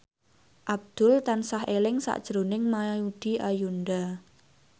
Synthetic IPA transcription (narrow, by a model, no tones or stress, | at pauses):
ʔab̚d̪̥ʊlt̪ansaɦelɪŋsa̰ʔd̥ʒ̥ɾonɪŋmaud̪̥i̤ʔajund̪a